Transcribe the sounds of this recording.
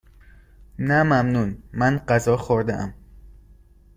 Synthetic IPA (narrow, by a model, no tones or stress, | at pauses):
næmæmnunmænɢæzɒːxoɾd̪eʔæ̰m